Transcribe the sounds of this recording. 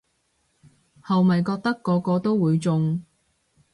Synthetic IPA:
hɐ˨wmɐ˨jkɔː˧k̚t̪ɐ˥kːɔː˨˧˥kɔː˧t̪o˥wwuː˨˧jt͡sʊ˨˧ŋ

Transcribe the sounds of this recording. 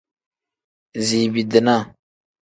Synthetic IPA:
ziː˨bi˨d̪ə˨na˦˨

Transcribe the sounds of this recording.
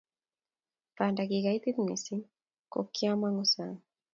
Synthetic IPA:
panda˨ki˨ka˨it̪i˦t̪mḭ˨si˦ŋ | ko̰˨kːia˦ma˦ŋɔ˦saŋ

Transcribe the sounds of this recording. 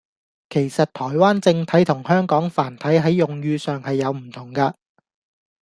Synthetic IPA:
kʰe˨˩jsɐ˨t̚t̪ʰɔː˨˩jwaː˥nt͡sɪ˧ŋt̪ʰɐ˨˥jt̪ʰʊ˨˩ŋhœː˥ŋkɔː˨˥ŋfaː˨˩nt̪ʰɐ˨˥jɦɐ˨˥jːʊ˨ŋjyː˧sœː˨ŋhɐ˨jːɐ˨˧wm̩˨˩t̪ʰʊ˨˩ŋkɐː˧

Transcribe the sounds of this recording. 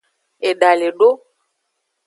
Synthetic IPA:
e˨ɖa˨le˨ɖo˦

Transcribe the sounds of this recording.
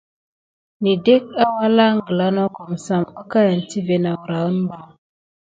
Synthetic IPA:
ni˨de˦k̚a˦wa˦la˦ŋ˦ɡə˨la˦no˦ko˨msa˨ma˦ka˦ja˨nti˦ve˨na˨wɾa˨ə˦nba˨

